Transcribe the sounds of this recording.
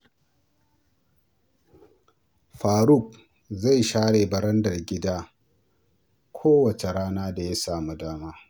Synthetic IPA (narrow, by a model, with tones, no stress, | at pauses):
ɸaː˨ɽu˦˨k̚ | za˦˨jʃaː˦ɽeː˨bɐ˨ɾɐ˦ndɐ˨rɡʲɪ˦daː˦ | kʷʰoː˦wɐ˨t͡ʃe˨ɾaː˦naː˦da˨ja˦saː˨mu˦daː˦maː˦